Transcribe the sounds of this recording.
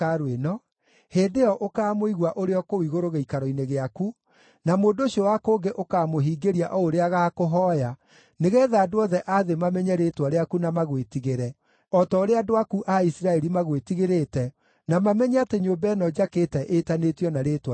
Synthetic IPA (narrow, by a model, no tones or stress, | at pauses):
aɾwenɔ | heːndeɔʔokaːmoiɣwaʔoɾeɔkowiɣoɾoɣeikaɾɔineɣeaku | namoːdoɕiɔwakoːŋɡeʔokaːmoɦiːɡeɾiaʔɔoɾeaɣakoɦɔja | neɣɛːðaːdoɔðɛʔaðemamɛɲɛɾetwaɾeakunamaɣwetiɣeɾɛ | ɔtɔoɾeadoakuʔaisiɾaɛɾimaɣwetiɣeɾetɛ | namamɛɲɛateɲombɛnɔd͡ʒakeːtɛʔetanetiɔnaɾetwa